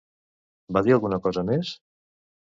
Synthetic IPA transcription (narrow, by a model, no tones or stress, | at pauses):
baðialˠɣunəkɔzəmes